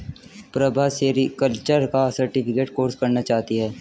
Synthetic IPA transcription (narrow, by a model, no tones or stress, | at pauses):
pɾɐbʱaseːɾikɐlt͡ʃəɾkasɐɾʈɪpʰɪkeːʈkoːɾskɐɾnat͡ʃaːt̪iɦɛː